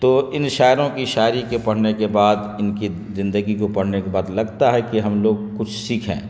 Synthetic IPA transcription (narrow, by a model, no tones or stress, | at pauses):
t̪oːɪnʃaːɾõkiʃaːɾikepɐɽ̤nekebaːd̪ɪnki | zɪ̃nd̪əɡikopɐɽ̤nekebaːd̪lɐɡt̪aɦɛkiɦɐmloːɡ̚kʊt͡ʃʰsikʰɛ̰̃ː